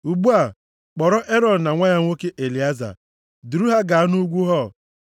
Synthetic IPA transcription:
u˨ɡ͡bu˦a˨ | k͡pɔ˨ɾɔ˦ʔe˦ɾɔ˨d̩˨na˨ŋʷa˦ɲa˦ŋʷo˦ke˦ʔe˨li˨a˦za̰˨ | du˨ɾu˦ɦa˦ɡa˨a˦nu˦ɡʷu˦ɦɔ˦˨

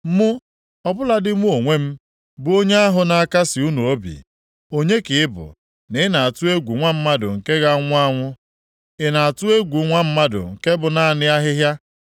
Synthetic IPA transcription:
mʊ˦ | ɔ˦bʊ˦la˦dɪ˦mʷu˦o˨ŋʷe˦m̩˦ | bʊ˨o˦ɲe˦a˦ɦʊ˨na˨a˦˨ka˦sɪ˨u˦nu˨o˦bḭ˨ | o˦ɲe˦kɪ˨ɪ˦bʊ̰˨ | nɪ˨˦na˨a˨tʊ˦e˦ɡʷu˨ŋʷa˦m̩˦ma˦dʊ̰˨ŋ̩˨ke˦ɣa˦ŋʷʊ˦a˦ŋʷʊ˦ | ɪ˨na˨a˨tʊ˦e˦ɡʷu˨˦ŋʷa˦m̩˦ma˦dʊ̰˨ŋ̩˨ke˦bʊ˨na˨a˨nɪ˦a˦ɦɪ˦ɦja˦

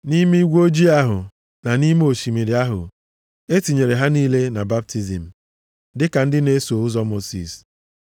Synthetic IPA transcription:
ni˦mi˦ɡʷo˦d͡ʒi˦a˦ɦʊ̰˨ | na˨ni˦m˦o˨ʃi˨me˨ɾɪ˨a˦ɦʊ̰˨ | e˦ti˨ɲe˨ɾe˨ɦa˦niː˦le˦na˨ba˦p̚ti˦zḭ˨m̩˨ | dɪ˦ka˨n̩˦dɪ˦ne˦so˨ʊ˦zɔ˦mo˦sḭ˨s

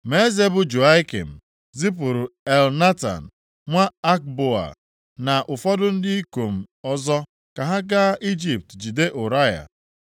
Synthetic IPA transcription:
me˦ze˦bʊ˨d͡ʒu˨a˦ɪ˦kḛ˨m̩˨ | zi˦p̬ʊ˨ɾʊ˨e˨lna˦ta̰˨n̩˨ | ŋʷa˦a˦k̚bo˦a̰˨ | na˨ʔʊ˨fɔ˦dʊ˦n̩˦dɪ˦i˦ko˨m̩˨ɔ˦zɔ˦ | ka˨ɦa˦ɡa˦ʔi˦d͡ʒi˨p̚td͡ʒi˨de˦ʔʊ˨ɾa˦ja̰˨

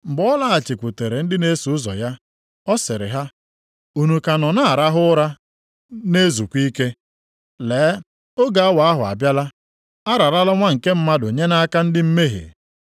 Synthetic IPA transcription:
m̩˨ɡ͡bɔ˦la˦a˨t͡ʃɪ˨kʷu˨te˨ɾe˨n̩˦dɪ˦ne˦su˨ʊ˦zɔ̰˨ja˦ | ɔ˦sɪ˨ɾɪ̰˨ɦa˦ | u˨nu˨ka˨nɔ˨na˦a˨ɾa˦ɦʊ˦ɾa˦ | ne˦zu˨kʷi˦ke˦ | leː˨˦ | o˦ɡa˨a˦wa˨a˦ɦʊ˨a̰˨bja˦la˦ | a˦ɾa˨ɾa˦la˦ŋʷa˦ŋ̩˨ke˦m̩˦ma˦do˨ɲe˦na˦ka˦n̩˦dɪ˦m̩˦me˦ɦḛ˨

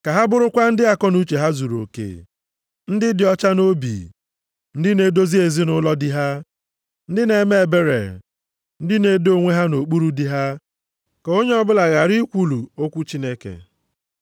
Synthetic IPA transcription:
ka˨ɦa˦bʊ˦ɾʊ˦kʷa˦n̩˦dɪ˦a˨kɔ˦nu˦t͡ʃe˨ɦa˦zu˨ɾo̰˨kḛ˨ | n̩˦dɪ˦dɪ˨ɔ˦t͡ʃa˦no˦bḭ˨ | n̩˦dɪ˦ne˦do˦zi˦e˨zi˦nʊ˦lɔ˦dɪ˦ɦa˦ | n̩˦dɪ˦ne˨˦me˦˨be˦ɾḛ˨ | n̩˦dɪ˦ne˨do˦˨ŋʷe˦ɦa˦no˨k͡pu˦ɾu˦di˦ɦa˦ | ke˨o˦ɲe˦ɔ˦bʊ˦la˨ɣa˨ɾi˦kʷu˦lu˨o˦kʷu˦t͡ʃi˦ne˦kḛ˨

